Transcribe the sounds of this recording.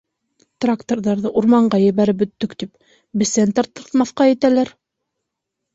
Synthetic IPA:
t̪rakt̪orðɑɾðɤʔuɾmɑɴɢɑjɘ̆βæɾɘp̬̚bɵ̆t̪ːɵkt̪ip̚ | bɘ̆sænt̪ɑɾt̪ːɤ̆ɾt̪mɑθqɑjɘ̆t̪ælæɾ

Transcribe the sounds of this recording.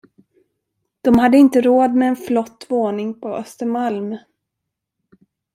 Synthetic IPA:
d̪̥ɔmhad̪ːəɪnt̪əɾoːd̪mɛːnflɔt̪ːvoːnɪŋpʰɔʔœ̰st̪əɾmalmœ

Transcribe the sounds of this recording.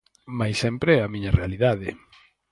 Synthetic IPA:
majsɛmpɾeɛɐmiɲɐrealiðaðɪ

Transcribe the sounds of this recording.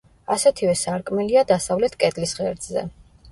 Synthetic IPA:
asɛt̪ʰivɛsaɾkʼmɛliad̪asavlɛt̪ʰkʼɛt̪ʼlisʁɛɾd̪zɛ̰

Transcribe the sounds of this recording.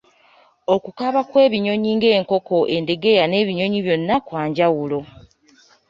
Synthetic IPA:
o̞kukaβakwe̞ːβiɲo̞ɲiːŋɡe̞ːŋko̞ko̞ʔe̞nde̞ɡe̞jane̞ːβiɲo̞ɲiβjo̞nːakwaːɲɟawulo̞

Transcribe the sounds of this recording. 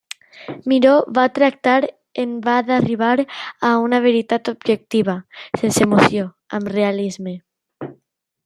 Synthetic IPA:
miɾoβat̪ɾak̚t̪aɾ | embaðariβ̞aɾaunaβ̞eɾit̪at̪obʒek̚t̪iβ̞asensemoθjo | a̰mrealizme

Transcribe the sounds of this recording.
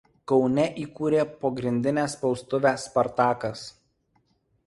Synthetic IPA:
kɒʊnʲɛʔiːkuːɾʲeːpɐɡɾʲɪnʲd̪ʲɪnʲɛːˑspɒʊst̪ʊʋʲæːspɐɾt̪ɑːkɐs

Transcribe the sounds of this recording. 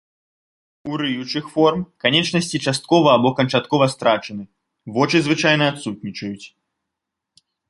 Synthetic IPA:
uɾɨjut͡ʂɨxfɔrmkanʲɛt͡ʂnɐsʲt͡sʲit͡ʂast̪̚kɔvɐːbɔkɐnt͡ʂat̪kɔvɐst̪ɾat͡ʂɨnɨ | vɔt͡ʂɨzvɨt͡ʂajn̪ɐat̪sut̪̚nʲit͡ʂɐjut͡sʲ

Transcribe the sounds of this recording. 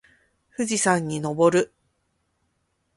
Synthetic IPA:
ɸɯ̟ʑisãɲ̟ːino̞bo̞ɾɯ̟

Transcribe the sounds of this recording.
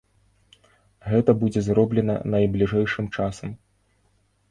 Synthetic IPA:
ɣɛt̪ɐbud͡zʲɛzrɔblʲɛnɐ̰nɐjblʲiʐɛjʂɨmt͡ʂasɐm

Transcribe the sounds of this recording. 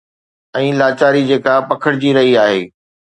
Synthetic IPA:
ɛ̃ːlaːt͡ɕaːɾid͡ʑeːkapɐkʰəɽɪd͡ʑiɾɐɦiaːɦeː

